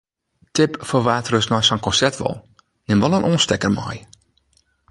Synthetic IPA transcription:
tɪpfəʋaːtrøsnɔjsɔnkɔnsɛrtʋɔ̰lˠ | nɪmʋɔlˠənʔoːnstɛkərmɔ̰j

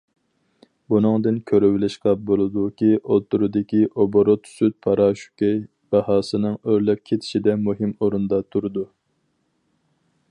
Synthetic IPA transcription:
bunɨŋd̪ɨnkʲʰøɾywɪlɪʃqɑbolˠɨd̪ukʲiʔot̪ʰːuɾɨd̪ɪkʲiʔoboɾot̪syt̪̚pʰɑɾɑːʃu̥kʲɛj | b̥ɑhɑːsɨnɨŋøɾlɛp̚kʲʰet̪ʰɪ̥ʃid̪ɛmuɦɪmoɾund̪ɑt̪ʰuɾɨd̪u

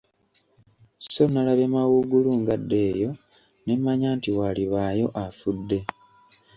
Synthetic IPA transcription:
sso̞nalaβemawuɡuluŋɡadːe̞ːjo̞ | nemaɲaːntiwaliβaːjo̞ʔafudːe̞

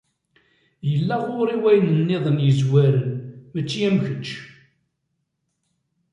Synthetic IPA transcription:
jəlːæʁʊɾiwæjnənːɪðˤənjəzwæɾənmət͡ʃːijæmçət͡ʃː

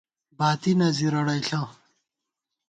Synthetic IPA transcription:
baːt̪inɐziɾɐɽɐjɬã

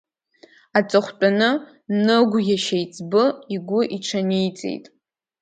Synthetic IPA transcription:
at͡sʼɨχʷt͡pʼanɨ | nɨɡʷjaʃejt͡sʼbɨiɡʷʊʔiʈ͡ʂʰanijt͡sʼḛjtʼ

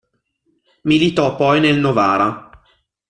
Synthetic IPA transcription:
milit̪ɔpːɔjnelnovaːɾa

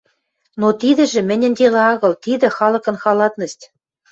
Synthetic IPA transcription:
not̪id̪ɘ̆ʒĕmɘ̆nʲɘ̆nd̪ʲelɑɑɣɤ̆lt̪id̪ɘ̆xɑlɤ̆kɤ̆nxɑlɑt̪nɤ̆ʃt̪ʲ

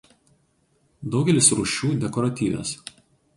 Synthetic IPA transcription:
d̪ɒʊɡʲɛlʲɪsɾuʃʲuːd̪ʲɛkɔɾɐt̪ʲiːʋʲḛːs

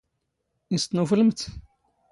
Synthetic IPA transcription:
ist̪nufələmt̪

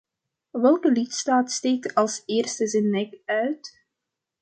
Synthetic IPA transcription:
ʋɛlˠkəlitstaːtsteːk̚tɑlˠsɪːrstəzɛnːɛkœɥt

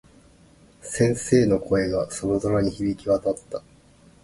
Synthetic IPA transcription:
sẽ̞ɰ̃se̞ːno̞kʰo̞e̞ɡaso̞ɾo̞zo̞ɾaɲ̟içibʲikʲiβat̪at̪ːa

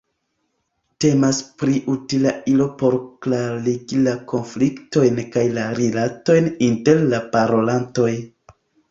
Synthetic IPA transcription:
te̞maspɾiʔutilaʔilo̞po̞ɾklaɾiɡilako̞nflikto̞jnkajlaɾilato̞jninte̞ɾlapaɾo̞lanto̞j

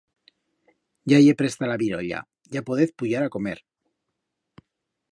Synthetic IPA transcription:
ɟ͡ʝajepɾest̪alaβiɾo̰ʎa̰ | ʝapoðeθpuʎaɾako̞mḛɾ

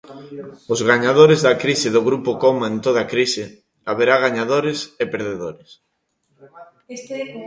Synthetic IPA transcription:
ʊzɣaɲaðoɾɪzðakɾisɪðʊɣɾupʊkomaent̪oðakɾisɪ | aβeɾaɣaɲaðoɾɪsepeɾðeðoɾɪs

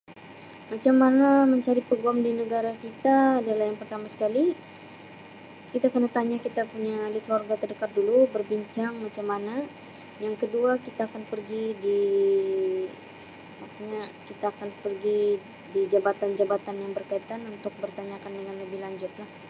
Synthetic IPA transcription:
mat͡ʃamːanaməɲt͡ʃaɾipəɡuamdinəɡaɾakit̪aːdalahjaŋpərt̪amasə̥kali | kit̪akənat̪aɲakit̪apuɲalikluarɡat̪ərdəkat̪̚dulubərbiɲt͡ʃaŋmat͡ʃamːana | jaŋkəduakit̪aːkanpərɡidi | maksuɲakit̪aːkanpərɡi | did͡ʒabat̪and͡ʒabat̪anjaŋbərkait̪anunt̪ʊk̚bərt̪aɲakandəŋanləbɪhlaɲd͡ʒʊt̪̚lah

